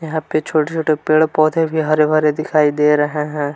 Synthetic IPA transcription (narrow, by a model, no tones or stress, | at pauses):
jɐɦãːpet͡ʃʰoːʈet͡ʃʰoːʈepeːɽpɔːt̪ebʱiɦɐɾebʱɐɾed̪ɪkʰaːid̪eːɾɐɦeɦɛ̃ː